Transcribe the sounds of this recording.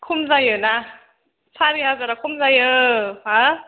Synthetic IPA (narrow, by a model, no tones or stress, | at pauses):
kʰumzajɯna | sʰaɾiɦazaɾakʰumzajɯha